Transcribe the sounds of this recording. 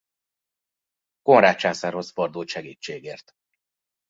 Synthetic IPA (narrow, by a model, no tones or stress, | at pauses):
ko̞nraːt͡ʃaːsaːrho̞sfɒrd̪uːʃɛɡiːt͡ʃːeːɡeːrt̪